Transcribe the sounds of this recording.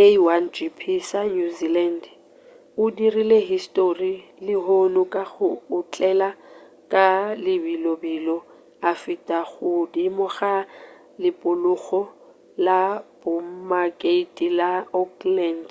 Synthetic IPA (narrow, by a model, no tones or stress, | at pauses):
ewand͡ʒipʰisanuziland | ʊdirileɦistʼori | lɪɦonʊkʼaɣʊːt͡ɬʼɛla | kʼalɪbilɔbilɔ | afitʼaɣʊdimɔɣa | lɪpʼʊlʊɣɔ | labɔmmakʼeitʼilaɔklɛnd